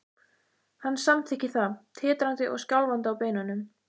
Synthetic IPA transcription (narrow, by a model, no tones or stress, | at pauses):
hanːsamt̪ʰɪhcːɪθat̪ʰɪːt̪ɾant̪ɪʔɔ̰ɣscawlvant̪ɪawpeːjnanʏm